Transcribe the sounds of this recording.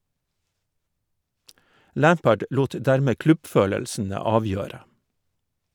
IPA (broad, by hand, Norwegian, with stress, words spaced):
ˈlæːmpəɖ ˈluːt ˈdæɾmeː ˈklʉbˌføːləlsn̩ə ˈɑːˌʋjøːɾə